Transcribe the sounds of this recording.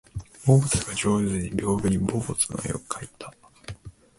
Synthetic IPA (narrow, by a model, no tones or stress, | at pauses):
bobt͡sɨɡaʑo̞ːzɨɲ̟iɾʲo̞ːbɯ̟ɲ̟ibobot͡sɨno̰jo̰kɯ̟̥kʰait̪ʰḁ